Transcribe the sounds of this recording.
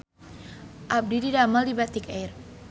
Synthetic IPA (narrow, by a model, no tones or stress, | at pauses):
ʔab̚dididamaldibat̪ikejr